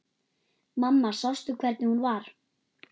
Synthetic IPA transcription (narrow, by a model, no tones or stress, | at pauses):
mamːḁsast̪ʏkʰvɛɾt̪nɪhunvaɾ̥